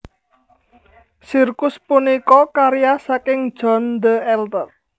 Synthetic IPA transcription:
sirkʊspunikɔkaɾjasakɪŋd̥ʒ̥ɔ̤nd̪əɛlt̪ət̪̚

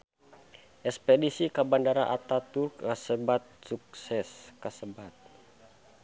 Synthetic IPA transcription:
ʔɛspɛdisikabandaɾaʔat̪at̪urkasəbat̪̚suk̚sɛskasəbat̪̚

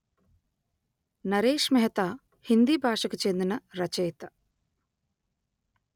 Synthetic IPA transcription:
nɐɾeːʂmɐɦɐt̪aː | hind̪iːbʱaːʂɐkut͡ʃe̞nd̪inɐɾɐt͡ʃɛːt̪ɐ

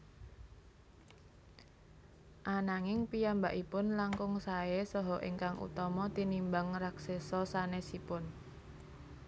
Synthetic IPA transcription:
ʔanaŋɪŋpijambaʔipʊnlaŋkʊŋsaesɔɦɔʔiŋkaŋṵt̪ɔmɔt̪inimbaŋraksesɔsanesipʊn

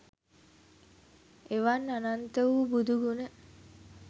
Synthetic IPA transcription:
eʋanːanant̪əʋubud̪ʱuɡunə

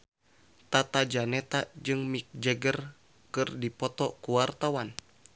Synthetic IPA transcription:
t̪at̪ad͡ʒanɛt̪ad͡ʒɨŋmik̚d͡ʒɛɡər | kɨrdipɔt̪ɔkuwart̪awan

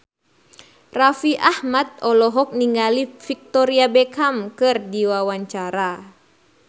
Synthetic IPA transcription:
rafiʔahmat̪̚ɔlɔɦɔk̚niŋɡalifik̚t̪ɔɾiabɛkamkɨrdiwawaɲt͡ʃaɾa

